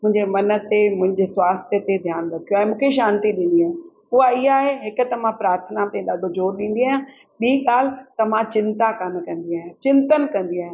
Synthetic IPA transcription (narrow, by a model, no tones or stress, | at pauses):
mʊ̃ɦɪ̃ɲd͡ʑemɐnət̪emʊ̃ɦɪ̃ɲd͡ʑeswaːst̪ʰjət̪ed̪ʱjaːnɾɐkʰijoaːɦemʊ̃ːkʰeʃ̬aːnt̪iɗĩːn̆d̪iaːɦẽ | ʊɦaɪɦaːɦeɦɪkʊ̆t̪ɐmãpɾaːɾt̪ʰənamt̪ẽɗaːɖʱod͡ʑoːɾɗĩːn̆d̪iaːjãː | ɓiːɠaːl̤t̪ɐm̤ãt͡ɕɪ̃nt̪akankɐ̃nd̪iaːɦẽt͡ɕɪnt̪ənkɐ̃nd̪iaːɦɪ̃